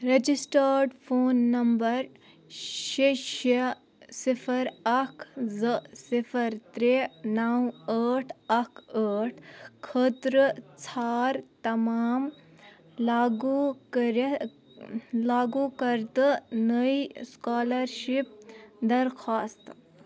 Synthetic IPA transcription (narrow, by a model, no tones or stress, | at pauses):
ɾed͡ʑisʈəɾɖfoːnːɐmbəɾ | ʃeɕe | sifʰəɾɐkʰzəsifʰəɾt̪ɾenawəʈʰɐkʰəʈʰkʰət̪ɾət͡sʰaːɾt̪ɐmaːm | laɡukɾ | laːɡukɐɾt̪ənəiskaːləɾɕip̚d̪ɐɾkʰaːst̪